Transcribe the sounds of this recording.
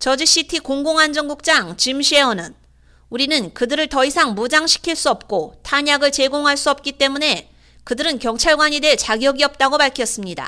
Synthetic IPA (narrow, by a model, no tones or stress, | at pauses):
t͡ɕʌd͡ʑiɕ͈itʰikoŋɡoŋɦand͡ʑʌŋɡuk̚t͡ɕ͈aŋt͡ɕimɕʰieʌnɯn | uɾinɯnkɯdɯɾɯɭtʌisʰaŋmud͡ʑaŋɕʰi̥kʰiɭs͈uʌp̚k͈otʰaɲaɡɯɭt͡ɕe̞ɡoŋɦaɭs͈uʌp̚k͈it͈e̞mune̞ | kɯdɯɾɯnkjʌŋt͡ɕʰaɭɡwaɲidwe̞ɭt͡ɕaɡjʌɡiʌp̚t͈aɡopaɭkʰjʌs͈ɯmɲida̰